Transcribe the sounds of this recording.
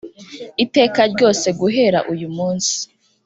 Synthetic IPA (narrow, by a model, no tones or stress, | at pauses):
ite̞ːkaɾɟo̞ːse̞ɡuɦe̞ɾa̰ʔujumuːnsi̥